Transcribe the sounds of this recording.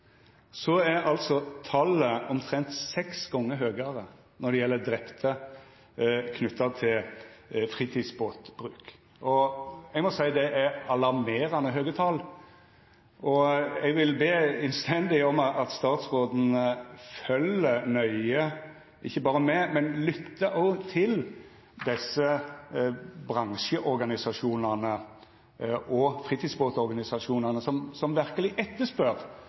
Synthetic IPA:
sɔæɾɑlt̪sɔt̪ʰɑləɔmt̪ʰɾɛnt̪sɛksɡɔŋːəɾɦøːɡɑɾə | nɔɖ̪ɛjɛlːəd̪ɾɛpt̪ʰə | kʰnʉt̪ːɑt̪ʰɪlfɾiːt̪ʰiːd̪sboːt̪b̥ɾʉːk | ʔɔɛɡmɔsæɪd̪ɛʔæɾɑlɑɾmeːɾɑnəɦøːɡət̪ʰɑl | ʔɔɛɡʋɪlbeːɛnst̪ʰɛnd̪ɪɔmʔɑt̪st̪ɑːt̪sʁoːd̪n̩əfœlːənœʏə | ʔɪ̰çːəbɑːɾəmɛmɛnlʏt̪ːəʔɔt̪ʰɪl | d̪ɛsːə | bʁɑŋʃəʔɔɾɡɑnɪsɑʂuːnɑnə | ʔɔfʁiːt̪ʰiːsboːt̪ɔɾɡɑnɪsɑʂuːnɑnəsɔmsɔmʋæʁkəlɪʔɛt̪ːəʂpœʁ

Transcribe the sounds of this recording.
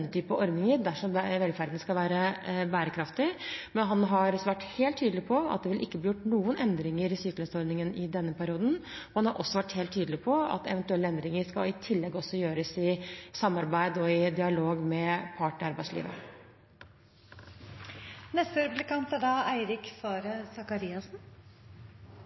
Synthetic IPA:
ət̪ʰyːpəʔɔɾd̪nɪŋəɾd̪æʂɔmʋɛlfæɾd̪n̩skɑlʋæːɾəbæːɾəkʰɾɑft̪ɪmɛnɦɑnɦɑɾʋæʈːheːlt̪ʰːyːd̪lɪpʰɔɑ̰t̪d̪ɛʋɪlʔɪkːəblɪjʊʈːnuːənɛnd̪ɾɪŋəɾɪsyːkələnsɔɾnɪŋənɪd̪ɛnːəpæɾɪuːd̪n̩ɔhɑnhɑɾʔɔsːɔʋæʈːheːlt̪ʰːyːd̪lɪpʰɔɑ̰t̪ɛ̰ʋɛnt̪ʉɛlːəɛnd̪ɾɪŋəɾskɑlɪt̪ʰɪlːɛɡɔsːɔjøːɾəsɪsɑmːɑɾbæɪd̪ɔɪd̪ɪɑloːɡmɛpʰɑːʈɳɪɑɾbæɪslḭːʋə̰ | nɛst̪əɾʉplɪkɑnt̪æɖɑæɪɾɪkfɔɾsɑkɑɾiːɑsn̩

